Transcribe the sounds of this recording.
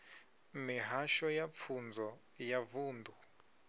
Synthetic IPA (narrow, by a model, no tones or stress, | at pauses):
miɦaʃɔjap̪fʰund͡zɔ | javuːnd̪u